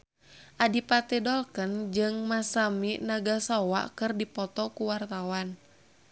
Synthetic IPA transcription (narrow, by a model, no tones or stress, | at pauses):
ʔadipat̪ɛdɔlkənd͡ʒɨŋmasaminaɡasɔwa̰kɨrdipɔt̪ɔkuwart̪awan